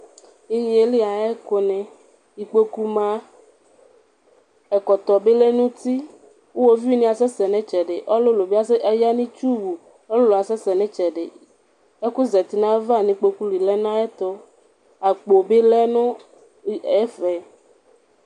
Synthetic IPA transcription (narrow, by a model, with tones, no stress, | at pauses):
i˦ɲĩ˨e˨li˦a˨e˦ko˨nɛ̃˨ | i˨k͡po˦ku˦mã˦ | e˨kɔ˨t̪ɔ˨be˦le˦nũ˦t̪i˦ | wo˦wo˦vi˦nĩ˦a˨sɛ˦sɛ˨nɛ̃˦t͡ʃɛ˨ɖe˨ʔɔ˦lo˦lo˨be˦a˦sja˦nĩ˦t͡ʃu˦wu˨ | ɔ˦lo˦lo˨a˨sɛ˦sɛ˨nɛ̃˦t͡ʃɛ˨ɖe˨ | e˦ku˦zɛ˨t̪i˨nã˦e˦va˦˨nĩ˦k͡po˦ku˦li˨lɛ˦nã˦e˦t̪ɔ˦ | a˨k͡po˨be˦lɛ˦nɔ̃˦ | fɛ˨